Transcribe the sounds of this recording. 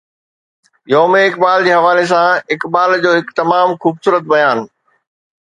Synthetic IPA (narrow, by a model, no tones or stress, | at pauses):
joːmẽɪkbaːld͡ʑeːɦɐʋaːles̬ãɪkbaːld͡ʑoːɦɪkt̪ɐmaːmxuːbsuːɾət̪̚bɐjaːn